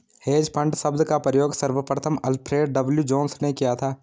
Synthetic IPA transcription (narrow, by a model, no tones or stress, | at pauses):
heːd͡ʒpʰə̃ɳɖsəbd̪kapɾəjoːɡsəɾʋəpɾət̪ʰəmɐlpʰɾeːɖ̚ɖəbljud͡ʒoːnsnekijat̪ʰaː